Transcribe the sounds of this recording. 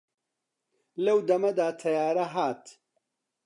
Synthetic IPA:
lɐwd̪ɐmɐd̪aːt̪ʰɐjaːɾɐɦaːt̪

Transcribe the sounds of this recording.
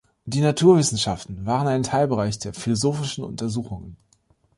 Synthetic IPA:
d̥iːnatʰuːɐvɪsn̩ʃaftn̩vaːʁənaɪntʰaɪlbəʁaɪçd̥eːɐfilozoːfɪʃn̩ʊ̰ntɐzuːxʊŋən

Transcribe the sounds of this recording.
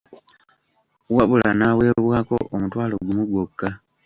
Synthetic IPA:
waβulanawe̞ːβwaːko̞̰ʔomutwaːlo̞ɡumuɡwokːa

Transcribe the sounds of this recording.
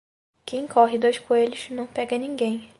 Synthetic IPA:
kʰẽj̃kʰɔɦɪd̪ojʃkueʎʊznɐ̃w̃pɛɡɐnĩɡẽj̃

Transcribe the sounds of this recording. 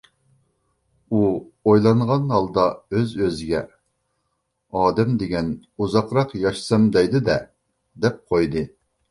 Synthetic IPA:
uojlˠɑɴʁɑnhɑlˠd̪ɑøzøzɪɡʲɛ | ɑːd̪ɛmd̪eɡʲɛnuzɑqɾɑqjɑʃsɑmd̪ɛjd̪ɨd̪ɛ | d̪ɛp̚qʰojd̪ɨ

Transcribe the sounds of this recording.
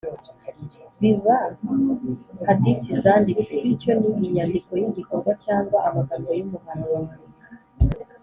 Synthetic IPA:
βiva | katisizandikeiconiʔiɲandikojiɟikoɾɡwat͡ʃaːŋɡwaʔamaɡaɡojumuhanozi

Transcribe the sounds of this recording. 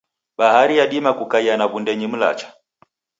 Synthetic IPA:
ɓahaɾijaɗimakukaianaβundɛɲim̩la̰t͡ʃḁ

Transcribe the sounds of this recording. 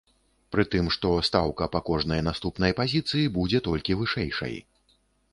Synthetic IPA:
pɾɨt̪ɨmʂt̪ɔst̪awkɐpakɔʐnɐjnast̪upnɐjpazʲit̪sɨjibud͡zʲɛt̪ɔlʲkʲivɨʂɛjʂɐ̰j

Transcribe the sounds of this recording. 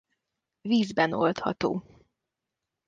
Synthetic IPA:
viːzbɛno̞lt̪hɒ̰t̪o̰ː

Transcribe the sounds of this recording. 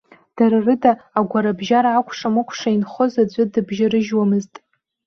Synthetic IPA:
d̥aɾarɨdaːɡʷaɾabʒaɾaːkʷʰʼʂamɨkʷʰʂainχozad͡ʒʷʼʊdɨbʒaɾɨʒwamɨztʼ

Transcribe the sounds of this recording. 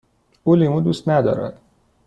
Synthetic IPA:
ulimud̪uːst̪næd̪ɒ̰ːɾæ̰d̪̥

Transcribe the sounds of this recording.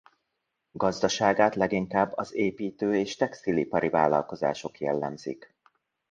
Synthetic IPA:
ɡ̥ɒzd̪ɒʃaːɡaːt̪lɛɡiŋkaːbːɒzeːpiːt̪øːeːʃt̪ɛkst̪ilipɒɾivaːlːɒ̰lko̞za̰ːʃo̞kjɛlːɛmzḭk

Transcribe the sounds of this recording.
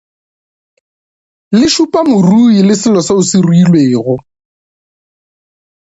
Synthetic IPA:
lɪʃupʼamʊruilɪsɪlɔsaʊsɪruilweːɣʊ

